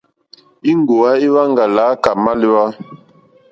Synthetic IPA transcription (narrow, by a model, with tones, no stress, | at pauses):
i˦ŋ˨ɡo˨a˦i˦wa˦ŋɡa˨la˨˦ka˨ma˦li˦wa˦